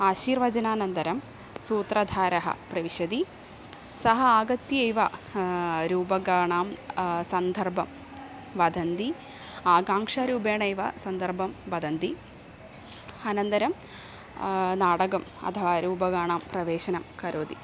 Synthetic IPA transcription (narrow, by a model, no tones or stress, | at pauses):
aːʃiːɾʋɐd͡ʒɐnaːnɐnd̪ɐɾɐm | suːt̪ɾɐd̪ʱaːɾɐɦɐ̰pɾɐʋiʂɐd̪i | sɐɦɐaːɡɐt̪jɐejʋɐ | ɾuːbɐɡaːɳaːmsɐnd̪ʱɐrbʱɐm | ʋɐd̪ʱɐnd̪i | aːɡaːŋʂaːɾuːbeːɳɐjʋɐsɐnd̪ʱɐrbʱɐmʋɐd̪ʱɐnd̪i | ɐnɐnd̪ɐɾɐm | naːɽɐɡɐmɐ̰t̪ʰɐʋaːɾuːbɐɡaːɳaːmpɾɐʋeːʃɐnɐmkɐɾʔoːd̪i